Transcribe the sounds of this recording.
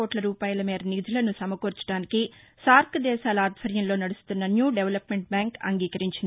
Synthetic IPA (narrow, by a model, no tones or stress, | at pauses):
oːʈlɐɾuːpaːjɐlɐmeːɾɐnid̪ʱulɐnusɐmɐkoːɾt͡ʃɐ̥ɽaːniki | saːɾkʰɐd̪ɛːʃaːlɐaːd̪ʱʋɐɾjɐmlo̞ːnɐɽust̪unːɐnjuːɖeʋɐlɐpmeɳʈ̚bjaːŋkɐ̰ŋɡiːkɐɾiɲt͡ʃind̪i